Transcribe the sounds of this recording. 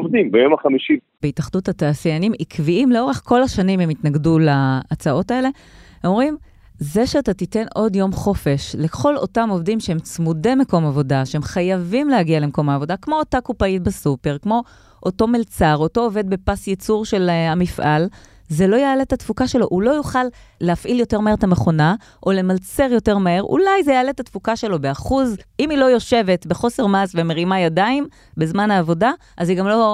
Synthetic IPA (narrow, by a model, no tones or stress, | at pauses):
ovd̪imbejo̞maχamiʃi | beitaχduthataːsijanimikviimleo̞ʁe̞χko̞laʃanimhemitnaɡdulaːt͡saʔo̞tae̞le̞ | omʁim | ze̞ʃeatatite̞no̞djo̞mχo̞fe̞ʃle̞χo̞lo̞̰tamo̞vdimʃeɦe̞mt͡smude̞meko̞mavo̞daʃeemχajavimlehaɡiale̞mko̞maːvo̞dakmo̞ːtakupait̚besupe̞ʁkmo̞ | ʔoto̞melt͡saʁo̞to̞ːve̞d̪̚bepasjet͡suʁʃe̞lamifʔal | zelo̞jaːletatfukaʃe̞lo̞ʔulo̞juχalː | eafʔiljo̞te̞ʁmaeetame̞χo̞na | ʔo̞le̞malt͡seʁjo̞te̞ʁmae̞ʁʔṵlajzejaːletatfukaʃe̞lo̞be̞aχuzimilo̞jo̞ʃe̞ve̞tbe̞χo̞se̞ʁmasvemeʁimajadaim | bezmanaːvo̞da | ʔaziɡamlo̞